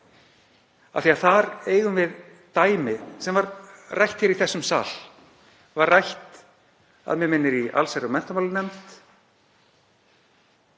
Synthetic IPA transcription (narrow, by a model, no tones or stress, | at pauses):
a̰θiaθaɾeːjɣʏmvɪð | t̪aːjmɪsɛmvaɾrajht̪çɛɾiθɛsːʏmsa̰ːl̥ | varrajht̪ | a̰ðmɛmɪnːɪɾia̰lsaɾʏmɛn̥t̪amawlɪnɛmt̪